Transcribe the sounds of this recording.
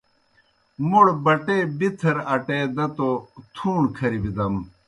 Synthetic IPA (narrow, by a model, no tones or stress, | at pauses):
muɽbɐʈeːbit̪ʰɐɾɐʈeːd̪ɐt̪ot̪ʰuːɳkʰɐɾibid̪ɐm